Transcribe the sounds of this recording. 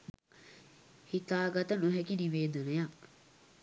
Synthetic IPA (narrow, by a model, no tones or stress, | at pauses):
hit̪aːɡɐt̪ɐnuɦɛkiniʋeːd̪uneja